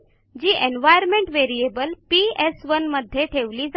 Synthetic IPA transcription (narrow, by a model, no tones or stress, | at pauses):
d͡ʑiːʔenʋajəɾmẽɳʈʋeɾiebəlpiesʋənməd̪ʱːjeʈʰeʋliːd͡za